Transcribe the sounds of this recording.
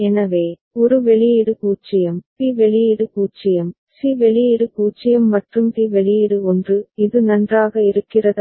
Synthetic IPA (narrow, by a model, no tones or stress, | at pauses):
ɛnɐʋeː | ɔɾɯʋɛɭɪjɪɽɯkuːt͡ʃːɪjɐmpiːʋɛɭɪjɪɽɯkuːt͡ʃːɪjɐm | siːʋɛɭɪjɪɽɯkuːt͡ʃːɪjɐmːɐʈrɯmt̪iːʋɛɭɪjɪɽɯɔndrɯɪðɯnɐndraːɣɐɪɾɯkːɪrɐðɐ